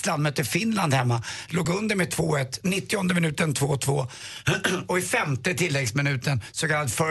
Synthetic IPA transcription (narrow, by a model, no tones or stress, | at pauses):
sland̪mœt̪ːəfɪnland̪hɛmːaloːɡɵnd̪əɾmɛt̪ʰvoːɛt̪ːnɪt̪ːɪɔnd̪əmɪnʉ̟ːt̪ənt̪ʰvoːt̪ʰvoː | ɔɪfɛmt̪ət̪ʰɪlːɛɡsmɪnʉ̟ːt̪ənsɔkʰalːad̪əfœ